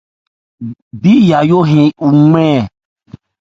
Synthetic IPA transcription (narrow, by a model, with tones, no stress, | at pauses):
bi˦ja˨jo˦ɦẽ˨u˨ŋɛ̃˦˨